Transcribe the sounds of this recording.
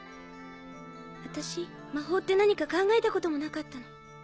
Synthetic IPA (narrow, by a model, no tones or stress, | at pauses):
βat̪aɕi | maɦo̞ːt̪ːe̞naɲ̟ikakãŋɡae̞t̪ako̞t̪o̞mo̞nakat̪ːano